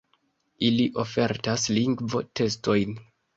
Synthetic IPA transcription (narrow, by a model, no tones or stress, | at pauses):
iliʔo̞fe̞ɾtasliŋɡvo̞̰te̞sto̞jn